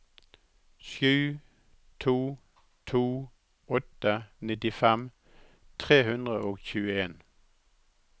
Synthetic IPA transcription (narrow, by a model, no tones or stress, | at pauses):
ʃʉː | t̪ʰuː | t̪ʰuː | ɔt̪ənɪt̪ɪfɛm | t̪ʰʁeːhʉnd̪ʁəʔoːçʉːəeːn